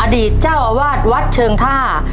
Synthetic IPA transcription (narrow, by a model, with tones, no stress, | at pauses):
ʔa˧diː˨˩t̪̚t͡ɕaː˥˩wʔa˧waː˥˩t̪̚wa˦˥t̪̚t͡ɕʰɤː˧ŋt̪ʰaː˥˩